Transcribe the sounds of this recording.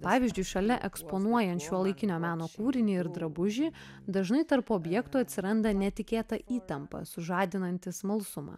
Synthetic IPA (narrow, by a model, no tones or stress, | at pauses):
pɑːʋʲiːzʲd͡ʒʲʊɪʃɐlʲɛʔɛkspoːnuɔjɛnʲt̪ʃʲuɔlˠɐɪkʲɪnʲoːmʲæːnoːkuːɾʲɪnʲiːɪɾd̪ɾɐbʊʒʲiː | d̪ɐʒnɐɪt̪ɐɾpoːbʲjɛkt̪uːɐt̪ʲsʲɪɾɐnd̪ɐnʲɛt̪ʲɪkʲeːt̪ɐʔiːt̪ɐmpɐ̰sʊʒɑːd̪ʲɪnɐnʲt̪ʲɪsmɐlˠsʊmɑ̰ː